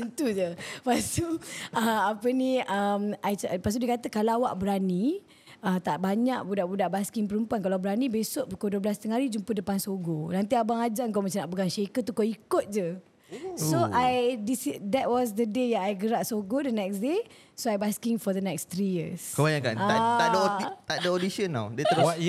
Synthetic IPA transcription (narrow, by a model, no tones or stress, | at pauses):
ənt̪ud͡ʒəpast̪uəapənĩəmajt͡ʃpas̬t̪̬udiəkat̪əkalaawaʔbəɾanĩ | ət̪aʔbaɲaʔbudaʔbudaʔbaskiŋpəɾəmpuankalawbəɾanĩbesoʔukoduəbəlast̪əŋaɾid͡ʒumpədəpansoɡonãnt̪̬iabaŋad͡ʒaŋkomat͡ʃanaʔpəɡaŋʃekət̪̬ukoikʊt̪̚d͡ʒə | soʔajdisidɛt̚wɔs̬dədejaŋajɡəɾaʔsoɡodənɛksde | soajbaskiŋfɔdənɛkst̪ɾijə̰skobajãkanaaaʔdəodit̪aʔdəodisənːa̰wdiət̪əɾw